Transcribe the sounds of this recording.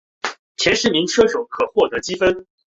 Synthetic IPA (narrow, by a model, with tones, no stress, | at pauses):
t͡ɕʰjɛ˧˥nʂɻ̩˧˥mi˧˥ŋʂʰɤ˥ʂo˨˩ʊkʰɤ˨˩xwɔ˥˩t̪ɤ˧˥t͡ɕi˥fə˥n